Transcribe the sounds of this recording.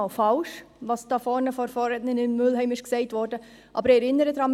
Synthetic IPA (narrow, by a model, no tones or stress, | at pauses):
ɑlfɑlʃ | ʋɑːsd̥ɑːfɔɾnəfɔɾfɔːɾɛnənɪmmɵlɦɛɪmɪʃksɛɪtʋɔːɾdə | ʔɑ̰ːbəɾɛɾɪnəɾədɾɑːm